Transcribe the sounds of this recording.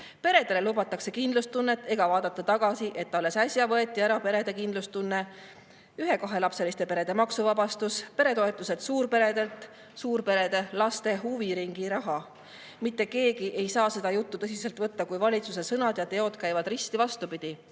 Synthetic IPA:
pe̞ɾe̞d̪e̞le̞lubɑt̪ːˑɑkse̞kind̪lust̪unːe̞t̪ˑːe̞ɡ̥ɑvɑːd̪̥ɑt̪ːˑɑt̪ɑɡ̥ɑsiʔe̞t̪ːɑolesæsʲjɑvɤe̞t̪ːˑiæɾɑpe̞ɾe̞d̪̥ekind̪lust̪unːe̞ | yɦe̞kɑɦe̞lɑpse̞list̪e̞pe̞ɾe̞d̪̥e̞mɑksuvɑbɑst̪uspe̞ɾe̞t̪o̞e̞t̪ːˑuse̞t̪suːɾpe̞ɾe̞d̪e̞lt̪ˑ | suːɾpe̞ɾe̞d̪̥e̞lɑst̪e̞ɦuviɾiŋɡ̥iɾɑɦɑ | mit̪ːeke̞ːɡiʔe̞jsɑːse̞d̪ɑjut̪ːut̪ɤs̬ise̞lt̪ˑvɤt̪ːɑkujvɑlʲit̪suse̞sɤnɑd̪̥jɑt̪e̞o̞d̪̥kæjvɑd̪rist̪ivɑst̪upid̪̥i

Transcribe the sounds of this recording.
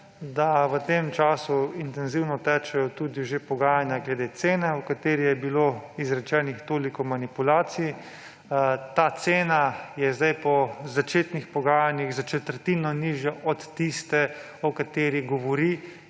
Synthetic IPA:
d̪aʋət̪emt͡ʃaːsuint̪ɛnziwnɔt̪ɛt͡ʃɛjɔt̪ud̪iʒepɔɡaːjanjaɡlɛd̪et̪seːnɛukat̪eːɾijɛbiloːizɾɛt͡ʃɛːnixt̪oːlikɔmanipulaːt̪siji | t̪at̪seːnajɛzd̪ajpɔzat͡ʃeːt̪nixpɔɡaːjanjiɣzat͡ʃɛt̪əɾt̪inɔniːʒjɛʔɔt̪ːist̪ɛ | ɔkat̪eːɾiɡɔʋɔɾi

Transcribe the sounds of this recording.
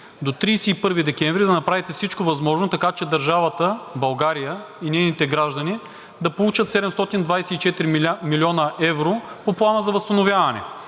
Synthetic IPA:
d̪ot̪ɾiːsɛipɤɾvid̪ɛkɛɱvɾid̪ɐnɐpɾavit̪ɛfsit͡ʃkovɐzmɔʒnot̪ɐkat͡ʃɛd̪ɐɾʒavət̪əbɐlˠɡaɾijə | inɛjnit̪ɛɡɾaʒd̪ɐni | d̪ɐpolˠut͡ʃət̪sɛd̪ɛmst̪ɔt̪ind̪vajsɛit͡ʃɛt̪iɾimilʲiɔnəʔɛvɾopoplˠanəzɐvɐst̪ɐnovʲjavɐnɛ̰

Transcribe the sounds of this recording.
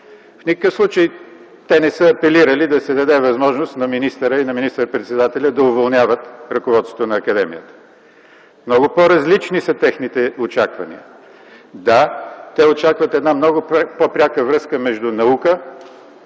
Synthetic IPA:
fnikəkəfslˠut͡ʃəj | t̪ɛnɛsəɐpɛliɾəlid̪ɐsɛd̪ɐd̪ɛvɐzmɔʒnost̪nɐminist̪əɾəinɐminist̪əɾpɾɛt̪sɛd̪at̪ɛlʲəd̪ɐʊvolˠnjavət̪ɾɐkʊvɔt̪t̪ŏt̪ʊnɐːkɐd̪ɛmḭjət̪ə̥ | mnɔɡʊpoɾɐzlit͡ʃnisɐt̪ɛxnit̪ɛot͡ʃakvɐ̰nḭə̰ | d̪at̪ɛot͡ʃakvɐt̪ɛd̪namnɔɡʊpopɾʲakəvɾɤskəmɛʒd̪unɐukə

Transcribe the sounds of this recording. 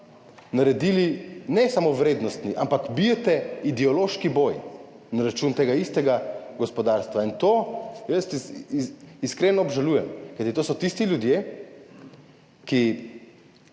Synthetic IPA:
naɾɛd̪iːlinɛsamoʋɾeːd̪nɔst̪niʔampakbijɛt̪ɛid̪ɛɔloːʃkiboːj | naɾat͡ʃuːnt̪eːɡaist̪ɛɡaɡɔspɔd̪aɾst̪ʋaint̪oːjəst̪ | iskɾeːnɔːbʒaluːjɛmkajt̪it̪osɔt̪ist̪ilʲjud̪je | ki

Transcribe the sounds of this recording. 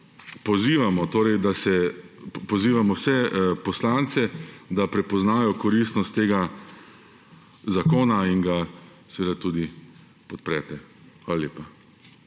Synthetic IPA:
pɔziːʋamɔt̪oːɾɛjd̪asɛpɔziːʋamɔwsɛpɔslaːnt̪sɛd̪apɾɛpɔznaːjɔkɔɾiːst̪nɔst̪ːeːɡa | zakoːnainɡasɛʋeːd̪at̪uːd̪i | pɔt̪̚pɾɛːt̪ɛ | xʋaːlalʲjeːpa

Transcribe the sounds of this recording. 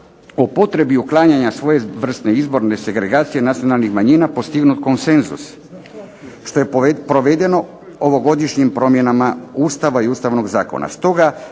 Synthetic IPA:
opo̞t̪ɾe̞biuklˠaːɲaɲasʋo̞jeʋr̩st̪ne̞izbo̞ɾne̞se̞ɡɾe̞ɡaːt̪sije̞nat̪sijo̞nalnixmaɲinapo̞st̪iɡnut̪ko̞nse̞nzṵs | ʃt̪o̞je̞pɾo̞ʋed̪e̞no̞ | oʋo̞ɡo̞d̪iʃɲimpɾo̞mje̞namauːst̪aʋaiuːst̪aʋno̞ɡzaːko̞̰na̰st̪o̞ɡa

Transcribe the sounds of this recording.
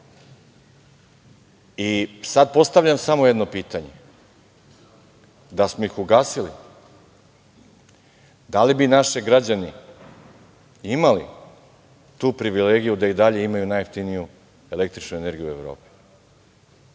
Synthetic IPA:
isad̪̚po̞st̪aʋʎamsamo̞jed̪no̞piːt̪aɲḛ | d̪asmo̞ixuɡaːsilḭ | d̪alibinaʃiɡɾad͡ʑani | imalḭ | t̪uːpɾiʋileːɡijud̪aid̪aʎe̞imajunajft̪iniju | e̞le̞k̚t̪ɾit͡ʃnuene̞ɾɡijue̞ʋvɾo̰ːpi̥

